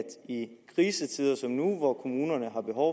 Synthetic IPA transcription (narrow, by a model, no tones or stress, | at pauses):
d̥ikʰʁiːsət͡sʰiːð̰ˠɐsɒ̽mnuʋɒkʰo̝muːnɐnəɦɑ̈b̥e̝ɦɒʊ